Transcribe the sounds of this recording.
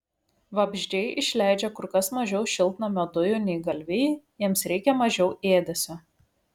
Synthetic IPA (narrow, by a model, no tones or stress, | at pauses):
ʋɐbʲʒʲdʲɛɪʔɪʃʲlʲæˑɪd͡ʒʲɛkʊɾkɐsmɐʒʲɛʊʃʲɪlˠʲt̪nɐmʲɛd̪ʊjʊːnʲɛɪɡɐlʲʋʲɛɪjiɛmsɾʲɛɪkʲɛmɐʒʲɛʊʔeːd̪ʲɛsʲo